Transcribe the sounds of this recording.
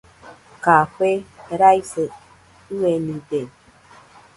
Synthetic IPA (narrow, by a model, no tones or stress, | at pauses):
kakʷeɾajse | uenide